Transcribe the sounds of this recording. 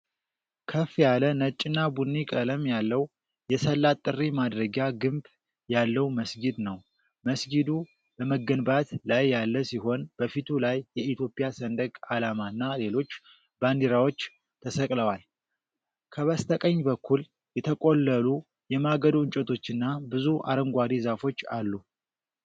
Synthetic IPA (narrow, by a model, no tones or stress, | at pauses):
kʰəfjalənət͡ʃʼːɪnːabunːikʼələmjalːəw | jɛsəlːat̪ʼːɨrːimad̪ɾəɡaɡɨmb | jalːəwməsɡid̪nəw | məsɡid̪u | bəməɡənbat̪lajːalːəsiɦo̞nb̥əfit̪ʰulajːɛit̪ʰjo̞pʼijasənd̪əkʼalamanːale̞lo̞t͡ʃː | band̪iɾawo̞t͡ʃː | t̪ʰəsəkʼləwal | kʰəβəst̪ʰəkʼəɲːbəkʰːul | jɛt̪ʰəkʼo̞lːəlu | jɛmaɡəd̪ɨɲt͡ʃʼət̪ʰo̞t͡ʃːɨnːabɨzuʔa̰ɾəŋɡʷad̪izafo̞t͡ʃːa̰lːu